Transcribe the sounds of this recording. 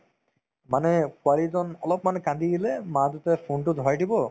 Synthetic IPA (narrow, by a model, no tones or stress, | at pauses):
manekwalid͡ʒɔnɔlɔpmanekãnd̪iɡilemãd̪ut̪efʰuɳʈud̪ʱɔajʈibɔ